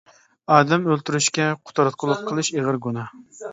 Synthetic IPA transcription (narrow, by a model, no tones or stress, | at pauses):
ɑːd̪ɛmølt̪yɾyʃkʲɛqʰʊ̥t̪ʰɑɾɑt̪̚qʰʊlˠʊp̚qʰəlˠɨʃeʁɨɾɡunɑ